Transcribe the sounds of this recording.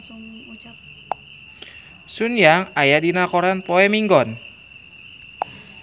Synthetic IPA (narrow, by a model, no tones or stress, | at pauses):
sunjaŋajadinakɔɾanpɔɛmiŋɡɔn